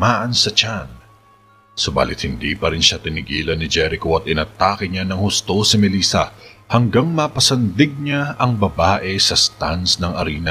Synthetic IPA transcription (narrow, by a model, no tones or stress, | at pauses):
maːʔɐnsɐt͡ʃan | sʊba̰ːlʔɪt̪̚hɪnd̪ḭːpɐɾɪnʃat̪ɪnɪɡiːlɐnːɪd͡ʒɛɾɪkoʔɐt̪̚ʔɪnɐt̪aːkɪɲanɐŋhʊst̪o̞sɪmɛliːsɐ̰hɐŋɡaŋmɐpɐsɐnd̪ɪɡ̚ɲaɐŋbɐbaːʔɛsɐst̪ansnɐŋʔɐɾiːnɐ